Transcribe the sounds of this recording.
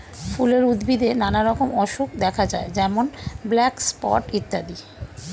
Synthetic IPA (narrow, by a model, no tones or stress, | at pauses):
fuleɾud̪bid̪enanaɾɔkomɔʃukd̪ɛkʰad͡ʑaed͡ʑɛmonblɛkspɔ̰ʈit̪ːad̪i